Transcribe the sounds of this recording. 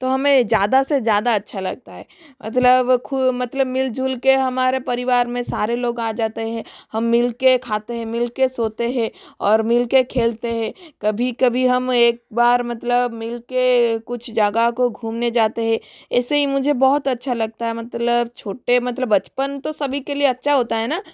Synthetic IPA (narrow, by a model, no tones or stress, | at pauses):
t̪oɦɐmẽzjaːd̪asezjaːd̪aɐtːʃʰalɐ̰ɡ̚t̪aɦɛːmʔɐ̰t̪ləbkʰʊmɐt̪ləbmɪld͡ʒʱulkeɦɐmaːɾepɐɾɪʋaːɾmẽsaːɾeloːɡaːd͡ʒaːt̪eɦɛ̃hɐmːɪlkekʰaːt̪eɦɛ̃mɪlkesoːt̪eɦɛ̃ɔːɾmɪlkekʰeːlt̪eɦɛ̃kɐbʱikɐbʱiɦɐmeːk̚baːɾmɐt̪ləbmɪlkekʊt͡ʃʰd͡ʒaɡakoɡʱuːmned͡ʒaːt̪eɦɛ̃ɛːseɦimʊd͡ʒʱebɔɦʊt̪ɐtːʃʰalɐɡ̚t̪aɦɛmɐt̪ləbt͡ʃʰoːʈemɐt̪ləbːɐt͡ʃpənt̪osɐbʱikelieɐtːʃʰaɦoːt̪aɦɛːnaː